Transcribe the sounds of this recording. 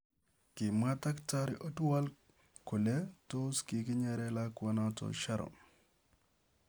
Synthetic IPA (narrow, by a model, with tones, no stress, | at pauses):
kɪ˨ma˦ta˦kta˦ɾɪ˦ʔo˦tu˦a˦l | kʊ˨le˦to˦skɪ˨kɪ˦ɲɛ˦ɾɛ˦la˦kwa˦na˦tɔ̰˨ʃa˦ɾɔ̰˨